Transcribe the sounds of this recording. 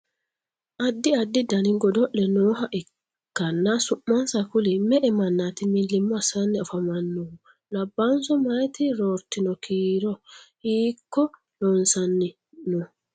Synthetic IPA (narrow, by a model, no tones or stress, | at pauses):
ʔadːiadːidaniŋɡɔdɔɗːɛnɔɦaʔɛ | kːanːasuʔmansakulimɛʔɛmanːat̪imilːimːɔasanːiafamanːuwu | labːansɔmajt̪iɾɔɾtinɔkʰiːɾɔ | ikːɔ | lɔnsanːi | nɔ